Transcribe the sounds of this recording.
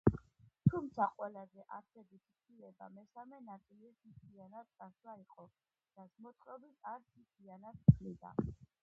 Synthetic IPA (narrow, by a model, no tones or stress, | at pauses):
t̪ʰumt̪sʰaqʼwɛlazɛʔaɾsɛbit̪ʰit̪ʰilɛba̰mɛsamɛnat̪ʼilisʰit̪ʰianad̪̚sʼaswaiqʼɔ | d̪̥asmɔt̪sʼɔbit̪ʰaɾsʰit̪ʰianad̪pʰlid̪a̰